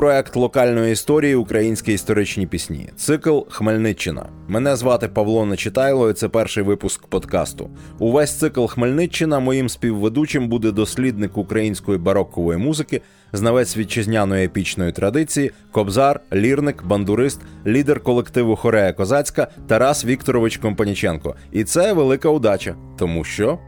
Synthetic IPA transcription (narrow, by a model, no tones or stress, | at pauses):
pɾɔɛkt̪lˠɔkɑlʲnɔjiist̪ɔɾʲijiʊkɾʔɐjinʲsʲkʲiist̪ɔɾɪt͡ʃnʲipʲisʲnʲḭt̪sɪklˠxmelʲnɪt͡ʃːɪnɐ̰ | mɛnɛzʋɑt̪ɪpɐʋlˠɔnɐt͡ʃɪt̪ɑjlˠɔjɪt̪sɛpɛrʃɪjʋɪpʊskpɔd̪kɑ̰st̪ʊ̰ | uʋɛsʲt̪sɪklˠxmelʲnɪt͡ʃːɪnɐmɔjimsʲpʲiwʋed̪ut͡ʃɪmbud̪ɛd̪ɔsʲlʲid̪nɪkʊkɾɐjinʲsʲkɔjibɐɾɔkːɔʋɔjimuzɪkɪ | znɐʋɛsʲʋʲid̪̚t͡ʃɪzʲnʲanɔjepʲit͡ʃnɔjit̪ɾɐd̪ɪt͡sʲiji | kɔbzɑrlʲirnɪkbɐnd̪ʊɾɪst̪lʲid̪erkɔlˠekt̪ɪʋʊxɔɾɛjɐkɔzɑt͡sʲkɐt̪ɐɾɑsʋʲikt̪ɔɾɔʋɪt͡ʃkɔmpɐnʲit͡ʃɛnkɔ̰ | it̪sɛʋelˠɪkɐʊd̪ɑt͡ʃɐ | t̪ɔmuʃt͡ʃɔ